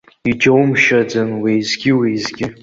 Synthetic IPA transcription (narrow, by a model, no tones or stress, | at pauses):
id͡ʒawmʃad͡zɨnwijzɡʲɪwizɡʲɪ